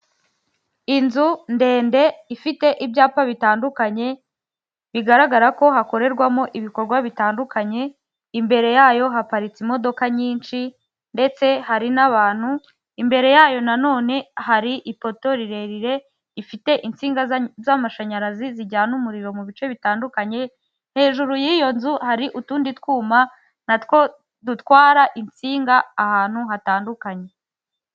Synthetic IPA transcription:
inzunde̞ːnde̞ifite̞ʔibɟaːpaβitaːndukaɲe̞ | βiɡaɾaɡaɾako̞ɦako̞ɾe̞ɾɡwamo̞ʔiβiko̞ɾɡwaβitaːndukaɲe̞ | imbe̞ɾe̞jaːjo̞ɦapaɾit͡simo̞do̞kaɲiːnt͡ʃi | nde̞t͡se̞haɾinaβaːn̥hu | imbe̞ɾe̞jaːjo̞nano̞ːne̞ɦaɾiʔipo̞to̞ɾiɾe̞ɾiɾe̞ | ɾifite̞ʔint͡siːŋɡazamaʃaɲaɾaziziɟaːnumuɾiɾo̞muβit͡ʃe̞βitaːndukaɲe̞ | nhe̞ːʒuɾujiːjo̞nzuhaɾiʔutuːnditkwuːma | natkwo̞ | dutwaːɾaʔint͡siːŋɡaːhaːn̥huɦataːndukaɲe̞

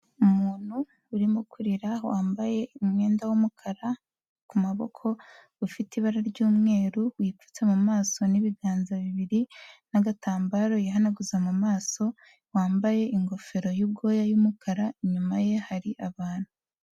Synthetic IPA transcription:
umuːn̥huː | ɾimukʰuɾiɾawaːmbaje̞umŋe̞ːndawumukʰaɾa | kumaβo̞̰kʰo̞ | ufitiβaɾaɾɟuːmŋe̞ːɾuwip͡fu̥t͡se̞mumaːso̞niβiɡaːnzaβiβiɾinaɡataːmbaɾo̞jaɦanaɡuzamumaːso̞ | waːmbaje̞iŋɡo̞fe̞ɾo̞jubɡo̞ːjajumukʰaɾaɲumaje̞haɾiʔaβaːn̥hu

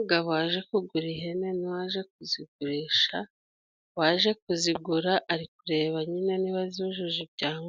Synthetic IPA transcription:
uɡaβaːʒe̞kuɡuɾiɦeneniwaʒe̞k̚uziɡuɾiːʃa | waːʒe̞k̚uziɡuɾaʔaɾik̚uɾe̞ːβaɲinaniβaziβaʒuʒibɟaːŋɡ

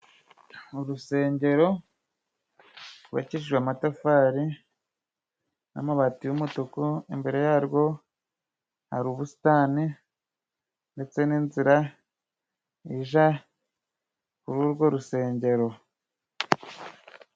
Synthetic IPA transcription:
uɾuse̞ːɲɟe̞ɾo̞ | uβa̰ciʃʒwamatafaːɾi | na̰maβatijumutokoimbe̞ɾe̞jaːɾɡo̞ | ha̰ɾuβusi̥tani | nde̞t͡se̞niːnziɾa | iʒa | kuɾuɾɡo̞ɾuse̞ːɲɟe̞ɾo̞

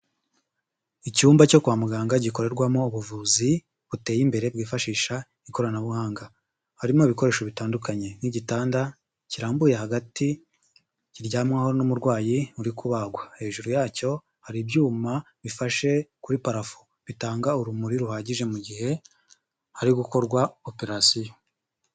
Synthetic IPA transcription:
icuːmbaco̞kuβamuɡaːŋɡaɟiko̞ɾe̞ɾɡwamo̞uβuvuzi | βute̞jimbe̞ɾe̞bɡiːfaʃiːʃa | iko̞ɾanaβuhaːŋɡa | haɾimoβiko̞ɾe̞ːʃoβitaːndukaɲe̞niɟitaːnda | ciɾaːmbuje̞ɦaɡati | ciɾɟaːmŋaːho̞nomuɾɡwaːjiuɾikuβaɡwahe̞ːʒuɾujaːco̞ | haɾibjuːma | βifaʃe̞kuɾipaɾafu̥ | βitaːŋɡauɾumuɾiɾuhaːɟiʒe̞muɟihe̞ | haɾiɡuko̞ɾɡwaope̞ɾasijo

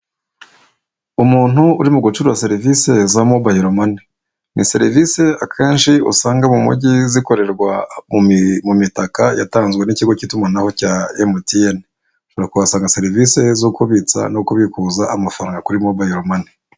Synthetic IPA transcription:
umuːn̥huuɾimuɡut͡ʃuɾuwase̞ɾivise̞zamobahiɾomani | nise̞ɾivise̞akʰeːnʃiṵsaːŋɡamumṵɟiziko̞ɾe̞ɾɡwa | mumitakaja̰taːnzɡweniciɡo̞citumanaho̞caemotien | t͡ʃuɾakuβasaːŋɡase̞ɾivise̞zokuβit͡sa̰nokuβikuːzaamafaɾaŋɡakuɾimobahiɾomani

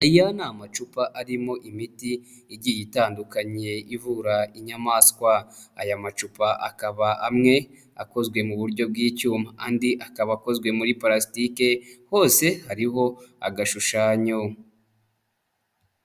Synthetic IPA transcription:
aijanaːmat͡ʃupaʔaɾimo̞ʔimitiː | ɟijitaːndukaɲe̞ivuɾaiɲamaːskwaajamat͡ʃupaʔa̰kaβaamŋe̞ | ako̞zɡwe̞muβuɾɟo̞b̚ɡiːcuːmaandiʔakaβako̞zɡwe̞muɾipaɾastike̞ho̞ːse̞haɾiɦo̞a̰ɡaʃuʃaːɲo

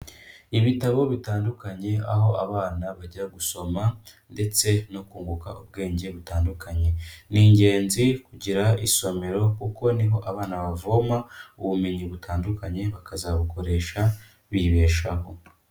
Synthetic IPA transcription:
iβitaβo̞βitaːndukaɲe̞a̰ɦo̞ʔaβaːnaβaɟaɡuso̞ma | nde̞t͡se̞no̞kuːŋɡuka̰ʔub̚ɡe̞ːɲɟe̞βutaːndukʰaɲe̞niːɲɟe̞ːnzikuɟiɾaiso̞me̞ɾo̞kuko̞niɦo̞ʔaβaːnaβavomauβume̞ɲiβutʰaːndukaɲe̞βakazaβuko̞ɾe̞ːʃa | βiβe̞ːʃaɦo̞̰

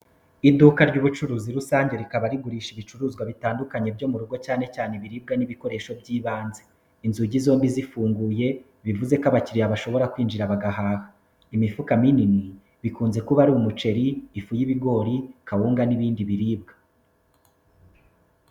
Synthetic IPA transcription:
idukaɾɟuːβut͡ʃuɾuːziɾusaːɲɟe̞ɾikaβaɾiɡuɾiːʃiβit͡ʃuɾuːzɡwaβitaːndukaɲe̞bɟo̞muɾuɡo̞caːne̞caːne̞βiɾiːb̚ɡaniβiko̞ɾe̞ʃo̞bɟiːβaːnze | inzuɟizo̞ːmbizifuːŋɡuːje̞ | βivuze̞kaβaciɾiaβaʃo̞βo̞ɾakwiːnd͡ʒiɾaβaɡaɦaːha | imifukaminini | βikuːnze̞kuβaɾuumut͡ʃe̞ɾiːfujiβiɡo̞ːɾikahuːŋɡaniβiːndiβiɾiːb̚ɡḁ

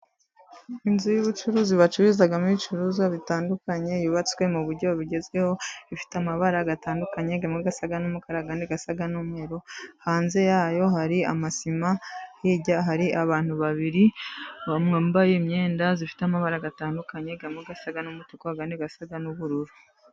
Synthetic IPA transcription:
inzujuβut͡ʃuɾuːziβat͡ʃuɾuzaɡamuit͡ʃuɾuzɡaβitaːndukaɲe̞juβat͡swe̞muβuɾɟo̞βiɟe̞zɡwe̞ho̞ifi̥tamaβaɾaɡataːndukaɲe̞ɡamŋeɡasaɡanumukaɾaɡandeɡasaɡanumhe̞ɾo̞haːnze̞jaːjo̞haɾia̰masimahiɟaɦaɾiʔaβaːn̥huβaβiɾiβamŋembajemɲe̞ːndazifi̥teamaβaɾaɡataːndukaɲe̞ɡamŋeɡasaɡanumutukoaɡaːndiɡasaɡanuβuɾuɾu

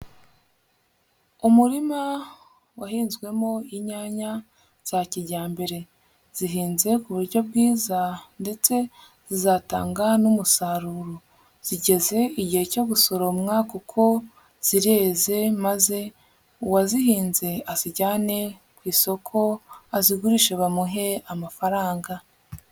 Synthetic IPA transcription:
umuɾima | waɦiːnzɡwe̞mo̞iɲaːɲa | z̥aciɟaːmbe̞ɾe̞ | z̥iɦiːnze̞kuβuɾɟo̞b̚ɡiːzande̞t͡se̞ | zizaːta̰ːŋɡanumusaɾuːɾo | z̥iɟe̞ze̞iɟihe̞co̞ɡuso̞ɾomŋaːkokʰo̞ | z̥iɾeːze̞maze̞ | wazihiːnze̞aziɟaːne̞ | kwiːso̞kʰo̞aziɡuɾiʃeβamuɦe̞amafaɾaːŋɡa

